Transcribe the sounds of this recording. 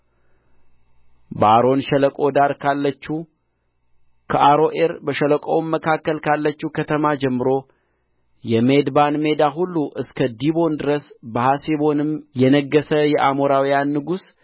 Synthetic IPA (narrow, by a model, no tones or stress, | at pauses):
bəaɾo̞nʃələkʼo̞d̪aɾkʰalːət͡ʃːu | kʰəʔaɾo̞ʔe̞ɾbəʃələkʼowmmːəkʰakːəlkʰalːət͡ʃːukʰət̪ʰəmad͡ʒɛmːɨɾo̞ | jɛme̞d̪banme̞d̪aɦulːuʔɨskʰəd̪ibo̞nd̪ɨɾəsbəhasiβo̞nɨmjɛnəɡːəsəjɛʔamo̞ɾawijanːɨɡus